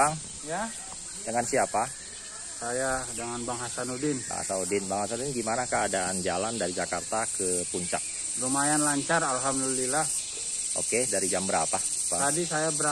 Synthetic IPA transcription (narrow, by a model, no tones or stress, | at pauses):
aŋ | ja | d͡ʒəŋansiapa | sajadəŋanbaŋɦasanudɪnba̰ŋa̰sanudɪnbaŋhasanudɪnɡimanakəadaʔand͡ʒalandaɾid͡ʒakart̪akəpuɲt͡ʃa̰k̚ | rumajanlaɲt͡ʃaralɦamdulilah | ʔo̰kedaɾid͡ʒambəɾapa | bat̪adisajabəɾa